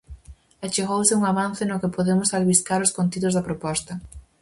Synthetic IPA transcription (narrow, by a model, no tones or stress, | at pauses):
at͡ʃeɣowsɪuŋaβan̟θɪnʊkepoðemʊsalβiskaɾʊskont̪iðʊzðɐpɾopɔst̪ɐ